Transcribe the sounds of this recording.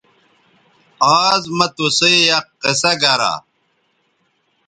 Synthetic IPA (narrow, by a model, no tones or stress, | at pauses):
aːzmɐt̪usejɐqːesɐɡɐɾa̰